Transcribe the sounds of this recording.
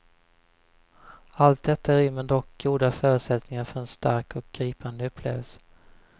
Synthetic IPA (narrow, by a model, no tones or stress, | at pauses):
alt̪̚d̪ɛt̪ʰːaæɾʏmːənd̪ɔkɡuːd̪afœːɾʉt̪sɛt̪nɪŋaɾfœɾɛnst̪aɾkɔk̚ɡ̥ɾiːpand̪əɵpʰlḛːvəlsə̥